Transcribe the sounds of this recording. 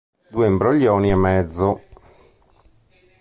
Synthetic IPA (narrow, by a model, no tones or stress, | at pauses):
d̪uːembɾoʎːɔːniamːɛd̪zːo